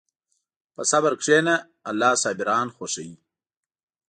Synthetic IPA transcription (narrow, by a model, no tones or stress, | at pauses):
pəsabaɾkʂeːnaː | lːɑːsɑːbiɾɑːnxoʂai